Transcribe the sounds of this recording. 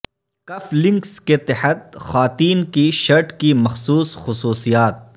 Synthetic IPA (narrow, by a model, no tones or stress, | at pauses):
kɐflɪ̃ŋksket̪ɪħət̪̚xaːt̪iːnkiʃɐɾʈkimɐxsuːsxʊsuːsijaːt̪̚